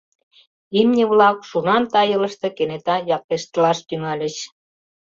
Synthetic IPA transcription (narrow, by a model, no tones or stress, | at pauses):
imnʲə̆βlɑkʃunɑnt̪ɑjə̆lə̆ʃt̪ɤ̆kenet̪ɑjɑk̚t̪eʃt̪əlɑʃt̪yŋɑlʲə̆ɕ